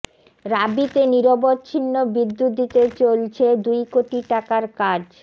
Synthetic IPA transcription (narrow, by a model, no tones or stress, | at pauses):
ɾabit̪eniɾobotːt͡ɕʰinːobid̪ːut̪̚d̪it̪et͡ɕolt͡ɕʰed̪ujkoʈiʈakaɾkad͡ʑ